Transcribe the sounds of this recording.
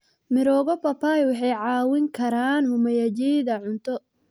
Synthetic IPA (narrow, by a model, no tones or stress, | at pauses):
mɪɾɔːɣɔpɐpajwɑħɑjʕɑːwɪŋkʰɐɾaːnhʊmɐjɐd͡ʒiðɐʕʊnt̪ʰɔ